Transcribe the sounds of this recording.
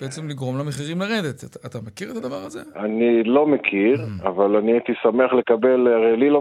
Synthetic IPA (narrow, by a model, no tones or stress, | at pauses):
b̥eʔet͡semliɡʁo̞mlameχiʁimlaʁed̪e̞t̪tːt̪amekiʁet̪ad̪avaʁazeanilo̞mekʰiʁavalaniajt̪isameaχle̞kabe̞laʁejlilo